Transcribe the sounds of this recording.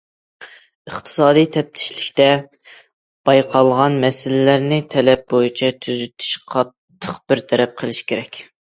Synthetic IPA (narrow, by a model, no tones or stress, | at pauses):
əχt̪ʰɨ̥sɑːd̪ijt̪ʰɛp̚t̪ʰɪ̥ʃlɪkʲt̪ɛ | b̥ɑjqʰɑlˠʁɑnmɛsɪlɪlæɾnɪt̪ʰɛlɛp̚bojit͡ʃʰɛt̪ʰyzyt̪ʰy̥ʃqʰɑt̪ʰːəqb̥ɪɾt̪ʰɛɾɛp̚qʰəlˠɪʃkʲeɾɛkʲ